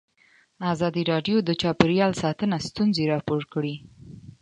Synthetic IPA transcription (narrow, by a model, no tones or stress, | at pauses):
azɑd̪iɾɑɖjod̪ət͡ʃɑpɪɾjɑlsɑt̪ənast̪unzeɾɑpoɾkɽi